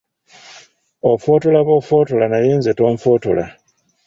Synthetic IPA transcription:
ofo̞ːto̞laβo̞ːfo̞ːto̞lanajeːnze̞to̞ːmfo̞ːto̞̰la̰

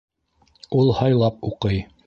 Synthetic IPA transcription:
ulˠhɑjlˠɑpuqɤj

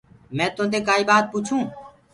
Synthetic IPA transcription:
mɛ̃ːt̪õːnd̪eːkaːiːbaːt̪̚puːt͡ʃʰũː

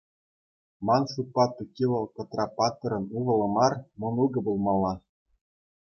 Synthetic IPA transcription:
mɑnsupːɑt̪ːɤ̆kʲilˠɤ̆lkɤ̆t̪rɑpɑt̪ːɤ̆ɾɤ̆nuvɤ̆lˠɤ̆mɑrmɤ̆nuɡɤ̆bulˠmɑlˠːɑ

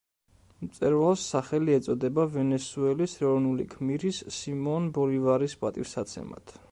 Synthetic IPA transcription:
mt̪sʼɛɾvalˠsːaχɛliɛt̪sʼɔd̪ɛbavɛnɛsuɛlisɾɛɔvnulḭkʰmiɾisːimɔnbɔɾivaɾispʼat̪ʼiɾsat̪sʰɛ̰ma̰t̪ʰ

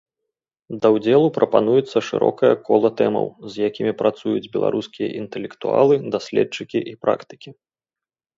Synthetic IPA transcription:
d̪ɐwd͡zʲɛlˠupɾʔɐpanujɛt̪sːɐʂɨ̰ɾɔ̰kɐjɐkɔlˠɐt̪ɛmɐ̰wzjakʲimʲipɾʔat̪sujud͡zʲbʲɛlˠa̰ɾuskʲijɐ̰ʔint̪ɛlʲɛkt̪ua̰lˠɨd̪asʲlʲɛt͡ʂɨkʲiʔipɾʔa̰kt̪ɨ̥kʲi

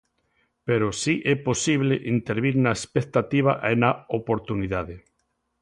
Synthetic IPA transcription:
peɾosiʔɛposiβleʔint̪eɾβiɾnaespek̚t̪at̪iβ̞aʔenaopoɾt̪uniðaðe

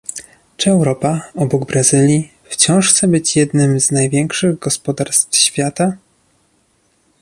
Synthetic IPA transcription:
t͡ʂɘɛwɾɔpaɔbɔɡbɾazɘlʲji | ft͡ɕɔ̃w̃ʂxt̪sɛbɘt͡ɕjɛd̪nɘmznajvʲjɛŋkʂɘɣɡɔspɔd̪aɾst̪fɕfʲjat̪a

